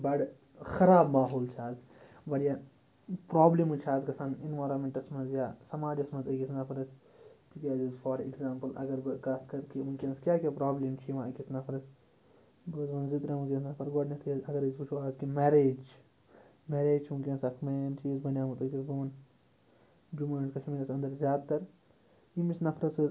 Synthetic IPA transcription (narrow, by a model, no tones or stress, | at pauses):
bɐɽ | xɐɾaːbmaːɦoːlt͡ʃʰaːz | bɐɽja | pɾaːblimut͡ʃʰaːzkɐsaninʋaːɾɐmẽɳʈɐsmɐnzjaːsɐmaːd͡ʒɐsmɐnzɐkisnaːpʰɐɾɐs | t̪ʰikʲaːzizfʰoːɾḭkzaːmpɐlɐ̰ɡɐɾbɨkaːskɐɾkiunkiɐ̃nskʲjaːkʲaːpɾaːblimt͡ʃʰiʋãːɐkisnaːpʰɐɾɐs | ɡoːzʋɐnzit̪ɾɐmukʲisnɐpʰɐɾɡoːɖnit̪ʰizɐɡɐɾizput͡ʃʰuaːzkimeːɾeːd͡ʒ | meːɾeːd͡ʒt͡ʃʰiunkʲiɐnsɐkʰment͡ʃiːzbɐnjaːmũt̪ɐkʲisbɐn | d͡ʒumaːnkɐt͡ʃʰmiːlɐsɐ̃nd̪ɐɾzjaːd̪t̪ɐɾ | imisnɐpʰɾɐsɨz